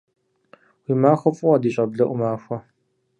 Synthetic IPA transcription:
wiːmaːxʷɔfʼʊwɐdiːɕʼɐbɮɐʔʷʊmaːxʷɐ

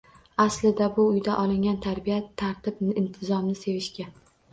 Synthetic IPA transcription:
aslɪd̪abʊʊjd̪aʔɒlɪŋɡʲant̪ʰaɾbijat̪ʰːaɾt̪ʰɪbnɪɪnt̪ʰɪzɒmnɪse̞vɪʃkʲa

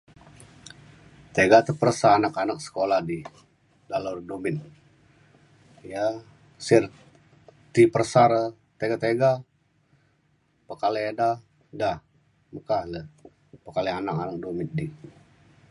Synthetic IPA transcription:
t̪eɡat̪əpərəsaːnakanak̚sə̥kolahdi | dalordomɪn | ja | sɪr | t̪ipərsaɾə | t̪eɡat̪eɡa | pəkalɛda | dah | məkahlə | pəkalɛanakanak̚domɪt̪̚di

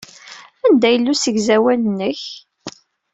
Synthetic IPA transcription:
ænd̪æjəlːusəʝzæwælənːəç

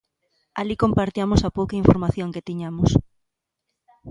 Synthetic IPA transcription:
alikompaɾt̪iamosapowkaiɱfoɾmaθjoŋket̪iɲamʊs

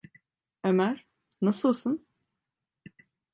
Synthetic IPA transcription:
emæɾ̥ | nasɯlˠsɯn

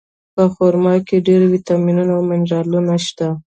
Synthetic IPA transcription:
pəxoɾmɑkeɖeɾwit̪ɑminunawmɪnd͡ʒɑlunaʃt̪a

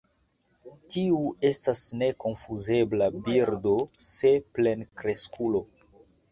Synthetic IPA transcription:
tiue̞stasne̞ko̞nfuze̞blabiɾdo̞seple̞nkɾe̞skʰulo̞

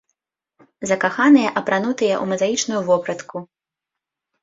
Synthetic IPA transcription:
zɐkaxanɨjɐʔɐpɾan̪ut̪ɨjɐʔumɐzajit͡ʂnujuvɔpɾɐt̪ku

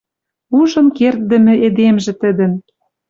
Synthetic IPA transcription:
uʒɤ̆nkert̪̚d̪ə̆mɘ̆ed̪emʒĕt̪ə̆d̪ə̆n

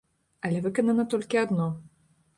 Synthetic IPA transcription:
ɐlʲɛvɨkɐnɐnɐt̪ɔlʲkʲiad̪nɔ

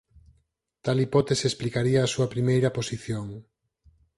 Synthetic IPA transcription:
t̪alipɔt̪eseesplikaɾiɐːsuɐpɾimejɾɐposiθjoŋ

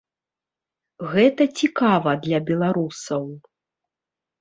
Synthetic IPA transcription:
ɣɛt̪ɐt͡sʲikavɐd̪lʲɐbʲɛlˠaɾusɐw

